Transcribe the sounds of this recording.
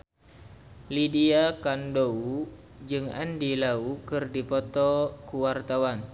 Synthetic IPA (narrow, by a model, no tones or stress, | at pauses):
lidiakandou | d͡ʒɨŋa̰ndilaukɨrdipɔt̪ɔkuwart̪awan